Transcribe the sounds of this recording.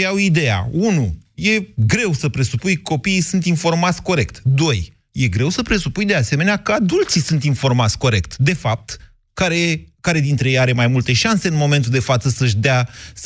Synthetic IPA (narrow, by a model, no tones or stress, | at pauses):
awid̪e̞ja̰unuje̞ɡɾe̞wsəpɾe̞supujko̞piːsunt̪info̞rmat̪sʲko̞ɾe̞kt̪d̪o̞j | je̞ɡɾe̞wsəpɾe̞supujd̪e̞ase̞me̞neakəad̪ult̪sisunt̪info̞rmat̪sʲko̞ɾe̞k̚t̪d̪e̞fap̚t̪ | kaɾekaɾe̞d̪int̪ɾeejaɾe̞majmult̪e̞ʃanse̞ɨnmo̞me̞nt̪̬uld̪e̞fat̪səsəʃ̬ʲd̪eas